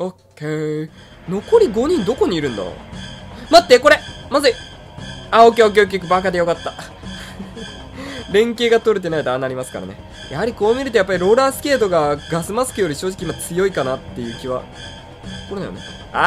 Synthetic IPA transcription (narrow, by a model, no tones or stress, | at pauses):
oke | no̞ko̞ɾʲiɡo̞ɲ̟ĩnd̪o̞ko̞ɲ̟iːɾɯ̟̃nd̪a̰mat̪ːeko̞ɾe̞mazɨ | aokʲeok̬ʲok̬ʲik̬ɯ̟bakad̪ejo̞kat̪ːa | ɾẽ̞ŋke̞ːɡat̪o̞ɾɯ̟t̪̬e̞naid̪aːnaɾimasɨ̥ka̰ɾa̰ne̞̰ | jahaɾʲiko̞ːmʲiɾɯt̪ojapːaɾʲiɾo̞ːɾaːsɨ̥kʲe̞ːt̪o̞ɡaɡasɨmasɨ̥kɯ̟jo̞ɾʲiɕo̞ːʑi̥kʲimːat͡sɨjo̞ikanat̪ːe̞jɯ̟ːkʲiβa̰ | ko̞ɾed̪a̰jone | a